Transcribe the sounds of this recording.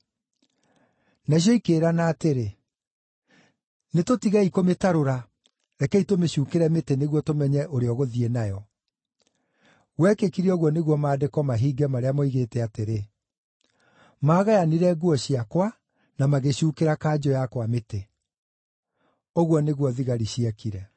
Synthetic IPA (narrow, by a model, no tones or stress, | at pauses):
naɕ̬jɔikeːɾanaːteɾe | netotiɣaikometaɾoɾa | ɾɛkɛitomeɕuːkeɾɛmeteneɣwɔtomɛɲɛʔoɾeɔɣoðienajɔ | ɣwɛkekiɾiɔɣwɔneɣwɔmaːdekɔmaɦiːɡɛmaɾeamɔiɣeːtɛateɾe | maːɣajaniɾɛɡuɔɕiakwa | namaɣeɕuːkeɾakad͡ʑɔjakwamete | ɔɣwɔneɣwɔðiɣaɾiɕiakiɾɛ